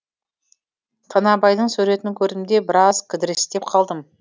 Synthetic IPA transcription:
t̪ʰɑnɑbɑjd̪əɴsɵɾe̞t̪ɪŋkʲʰɵɾd̪ɪmd̪e̞bɪɾɑzkʲʰʏd̪ɪɾɪst̪e̞p̚qʰɑlˠd̪əm

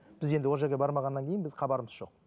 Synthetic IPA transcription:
b̥ɪze̞nd̪ɪw̪ˠʒe̞ɾɡʲebɑɾmɑʁɑnːɑŋkʲʰejɪnbɪzχʰɑbɑɾəməzʒo̞̰q̚

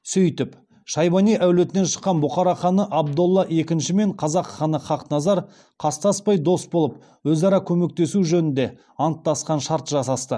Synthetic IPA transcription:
sʏjt̪ɪp | ʃɑjbɑnijʔæwle̞t̪ɪne̞nʃə̥qːɑnbʊχɑɾɑχɑnəʔɑb̚d̪olˠːɑʔe̞kʲɪnʃɪme̞ɴqʰɑzɑqχɑnəχɑqnɑzɑɾ | qʰɑst̪ɑspɑjd̪o̞sbo̞lˠəp | wɵzɑɾɑkʲʰɵme̞k̚t̪e̞suʒɵnɪnd̪e̞ | ɑnət̪ːɑsqɑnʃɑɾt̪ʒɑsɑst̪ə

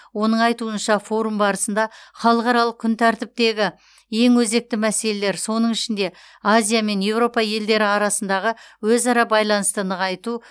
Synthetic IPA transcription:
wo̞nəɴɑjt̪uənʃɑfo̞ɾumbɑɾəsənd̪ɑχɑlˠəqɑɾɑlˠəq̚kʲʰʏnt̪ʰæɾt̪ɪp̚t̪e̞ɡʲɪ | je̞ŋwɵze̞k̚t̪ɪmæse̞le̞le̞ɾso̞nəɴɪʃɪnd̪e̞ | azʲijame̞nje̞wɾo̞pɑje̞ld̪e̞ɾɪɑɾɑsənd̪ɑʁəwɵzɑɾɑbɑjlˠɑnəst̪ənəʁɑjt̪u

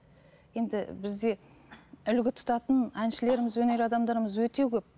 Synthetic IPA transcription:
je̞nd̪ɪbɪzd̪e̞ | ʏlɡʲɪt̪ʰʊ̥t̪ɑt̪ənænʃɪle̞ɾɪmɪzwɵne̞ɾɑd̪ɑmd̪ɑɾəməzwɵt̪e̞kʲʰɵp̚

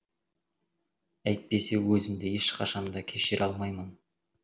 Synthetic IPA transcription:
æjt̪̚pe̞se̞wɵzɪmd̪e̞eʃqʰɑʃɑnd̪ɑkʲʰeʃɪɾʔɑlˠmɑjmən

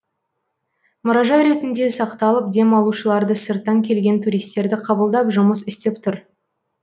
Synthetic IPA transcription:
mʊɾɑʒɑjɾe̞t̪ɪnd̪e̞sɑqt̪ɑlˠəp̚d̪e̞mɑlˠuʃəlˠɑɾd̪əsəɾt̪ːɑŋkʲʰe̞lɡʲe̞nt̪ʰuɾijst̪e̞ɾd̪ɪqʰɑbəlˠd̪ɑpʒʊməsɪst̪e̞pt̪ʰʊɾ

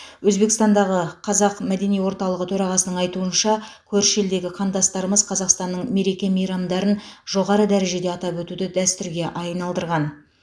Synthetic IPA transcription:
wɵzbe̞kst̪ɑnd̪ɑʁəqʰɑzɑqmæd̪e̞nijwo̞ɾt̪ɑlˠəʁət̪ʰɵɾɑʁɑsənəɴɑjt̪uənʃɑkʲʰɵɾʃe̞ld̪e̞ɡʲɪqʰɑnt̪ɑst̪ɑɾəməzqʰɑzɑqst̪ɑnːəɴme̞ɾekʲe̞mijɾɑmd̪ɑɾənʒ̥o̞ʁɑɾəd̪æɾe̞ʒe̞d̪eɑt̪ɑpwɵt̪ud̪ɪd̪æst̪ʏɾɡʲe̞ʔɑjnɑlˠd̪əɾʁɑn

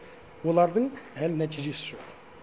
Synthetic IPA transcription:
wo̞lˠɑɾd̪əɴælɪnæt̪ʰijʒe̞sɪʒo̞q

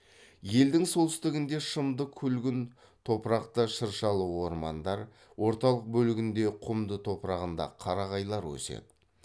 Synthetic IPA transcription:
je̞ld̪ɪŋsolˠt̪ʏ̥st̪ɪɡʲɪnd̪e̞ʃəmd̪əkʲʰʏlɡʲɪn | t̪ʰo̞pɾɑqt̪əʃəɾʃɑlˠəwo̞ɾmɑnd̪ɑɾ | wo̞ɾt̪ɑlˠəq̚bɵlɪɡʲɪnd̪e̞qʰʊmd̪ət̪ʰo̞pɾɑʁənd̪ɑ̰qʰɑɾɑʁɑjlˠɑɾwɵ̰sḛd̪ɪ

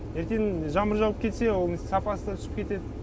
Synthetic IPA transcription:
jeɾt̪e̞nʒɑməɾʒɑlˠəp̚kʲʰe̞t̪se̞wolˠsɑpɑsəd̪ɑt̪ʰʏsɪ̥p̚kʲe̞t̪e̞d̪ɪ

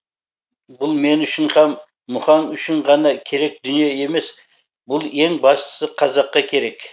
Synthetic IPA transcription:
bʊlˠme̞nʏʃɪɴχɑmː | ʊχɑnʏʃɪɴʁɑnɑkʲʰe̞ɾe̞k̚d̪ʏnije̞e̞me̞s | bʊlˠe̞ŋbɑst̪ə̥səqʰɑzɑqːɑkʲʰe̞ɾe̞k

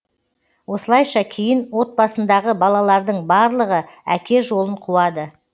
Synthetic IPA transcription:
wo̞səlˠɑjʃɑkʲʰejɪnwo̞t̪̚bɑsənd̪ɑʁəbɑlˠɑlˠɑɾd̪əɴbɑɾlˠəʁə | ækʲe̞ʒo̞lˠəɴqʰuwɑd̪ə

